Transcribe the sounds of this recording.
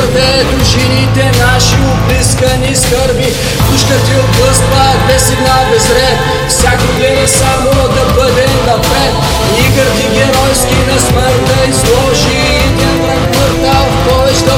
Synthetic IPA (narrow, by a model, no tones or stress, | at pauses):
ɾvɛ | d̪oʒinit̪ɛnaʃiobliskəniskəɾbi | kuʃkət̪ioblˠəst̪vəb̪ɛsɛɡnabɛzɾɛt̪ | fsʲjakoɡ̪ɾɛmɛsamo | d̪ɐbəd̪ɛnɐpɛt̪ | iɡəɾt̪iɡʲɛɾɔjskʲinɐsməɾt̪əizlˠɔʒi | t̪ɛp̪ɾɐkvəɾt̪a | pɔvɛt͡ʃt̪ə